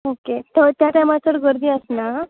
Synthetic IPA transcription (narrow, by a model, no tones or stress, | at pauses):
oket̪ət̪jat̪jamat͡səɽɡəɾd̪iːəsna